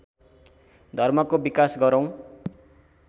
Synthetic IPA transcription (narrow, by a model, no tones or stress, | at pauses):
d̪ʱʌrmʌkobikasɡʌɾʌw̃